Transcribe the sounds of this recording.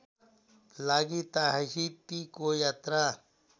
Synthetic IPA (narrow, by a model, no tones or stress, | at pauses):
laːɡit̪aɦasipikojaːt̪ɾa